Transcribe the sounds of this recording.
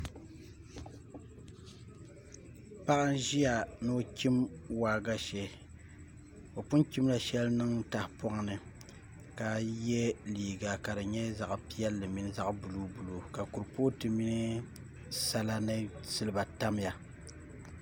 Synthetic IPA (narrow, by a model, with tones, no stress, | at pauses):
pa˦ʔɨ˦n˦ʒi˦ja˨nɨ˦o˦ki˦mwaː˨ɡa˦ʃɛ˦ | o˨pʊ˦nki˦m˦la˨ʃɛ˦lnɨ˦ŋ˦ta˨hpɔ˦ʔa˨nɨ˨ | ka˨jɛ˦liː˨ɡa˨ka˨dɨ˨ɲɛ˦za˨ʔpi˦ɛ˦lːɨ˨mi˦n˦za˦ʔbu˨lu˦bu˨lo˨ka˨ku˨ɾpo˦tɨ˨mi˦nɨ˦ | sa˦la˦nɨ˦sɨ˦lɨ˦ba˨ta˦m˦ja˨